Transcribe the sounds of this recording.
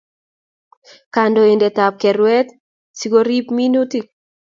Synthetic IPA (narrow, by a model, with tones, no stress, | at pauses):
ka˨ndɔ˨e˨ndɛ˨ta˨p̚kɛ˨ɾwɛ˦t̪ | si˦ko˦ɾi˦pmi˦nu˦ti˦